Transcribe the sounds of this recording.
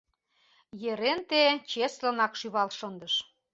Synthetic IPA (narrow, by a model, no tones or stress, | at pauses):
jeɾent̪et͡ɕeslə̆nɑkʃyβɑlʃənd̪əʃ